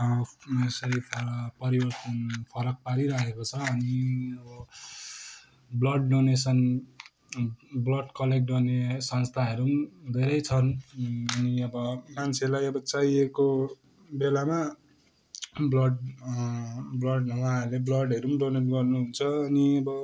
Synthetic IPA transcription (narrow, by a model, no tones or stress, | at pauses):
ʌmesʌɾipʰaɾʌpʌɾibʌrt̪ʌnpʰʌɾʌk̚paɾiɾakʰekot͡sʰʌːniʌbʌ | blʌɖɖonesʌn | blʌɖkʌlek̚ʈ̚ɡʌrnesʌnst̪ʰaɦʌɾumd̪ʱeɾʌjt͡sʰʌnʌniʌbʌmant͡sʰelajʌbʌt͡saieko | belama | blʌɖ | blʌɖnʌwaʌɾleblʌɽɦʌɾumɖoneʈɡʌrnuɦunt͡sʰʌːniʌbʌ